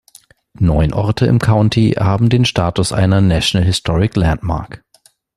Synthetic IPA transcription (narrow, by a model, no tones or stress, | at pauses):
nɔʏnʔɔɐtʰəɪ̰mkʰaʊntʰihaːbm̩deːnʃtaːtʊsʔa̰ɪnɐnaʃonalɦɪstʰɔʁɪklantma̰ɐk